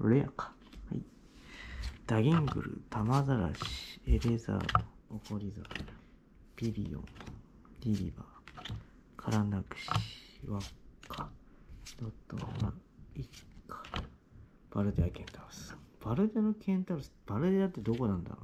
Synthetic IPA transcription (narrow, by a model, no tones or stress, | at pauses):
ɯ̰ɾejakḁ | ha̰i | d̪̥aɡʲĩŋɡɯ̟̰ɾɯ̟̰t̪ʰamazaɾa̰ɕi̥ebeza̰ːt̪o̥okoɾʲiza | b̥ʲibʲḭõ̰ | ɾʲiɾʲiba | kʰaɾanakɯ̟̥ɕiβakʰːḁ | d̪̥ot̪ːo̰ma̰ikkʰːḁ | b̥aɾɯ̟d̪eakʲẽ̞nt̪aɾɯsɨ̥b̥aɾɯ̟d̪enokʲʰẽ̞nt̪aɾɯsɨ̥b̥aɾɯ̟d̪eat̪ːed̪o̞ko̞nãnd̪a̰o